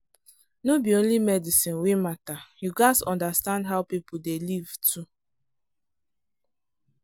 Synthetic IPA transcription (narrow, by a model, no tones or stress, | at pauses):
nobiõnlimɛdisĩnwematajuɡaɪsɔ̃ndastãndɦawpipʰudeliv̥tʰu